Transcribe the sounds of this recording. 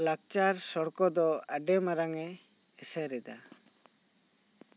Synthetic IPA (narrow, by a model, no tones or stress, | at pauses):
lak̚t͡ʃaɾsɔɽkɔd̪ɔaɖɛmaɾaŋɛ | ɛsɛɾɛd̪a̰